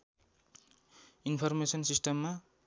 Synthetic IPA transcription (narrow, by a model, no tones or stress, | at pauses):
inpʰʌrmesʌnsisʈʌmːa